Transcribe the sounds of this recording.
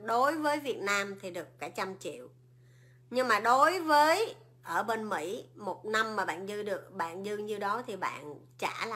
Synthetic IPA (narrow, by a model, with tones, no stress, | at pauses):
ɗo˨˦jvəː˨˦jvi˨˩ət̚naː˧mt̪ʰi˨˩ɗɨ˨˩əkːaː˧˩jt͡ɕa˧mt͡ɕḭ˧˨əw | ɲɨ˧ŋmaː˨˩ɗo˨˦jvəː˨˦j | ʔəː˧˩ɓe˧nmḭ˧˥mo˨˩t̚na˧mːaː˨˩ɓa̰ː˧˨nzɨ˧ɗɨ˨˩ək̚ɓa̰ː˧˨nzɨ˧ŋɲɨ˧ɗɔ˨˦t̪ʰi˨˩ɓa̰ː˧˨n | t͡ɕa̰ː˧˩l